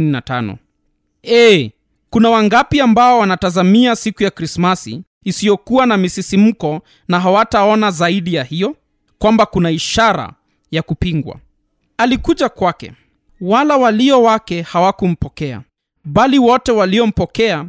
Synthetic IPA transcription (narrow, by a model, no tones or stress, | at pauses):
ninatanɔ̰ | ɛ | kunawaŋɡapiambaɔwanatazamiasikujakɾismasḭː | sijɔkuwanamisisim̩kɔ | naɦawataɔnazaiɗijahijɔ | kwambakunaiʃaɾa̰ | jakupiŋɡwa̰ | alikuʄakwakɛ̰ | walawaliɔwakɛhawakum̩pɔkɛa̰ | ɓaliwɔtɛwaliɔm̩pɔkɛa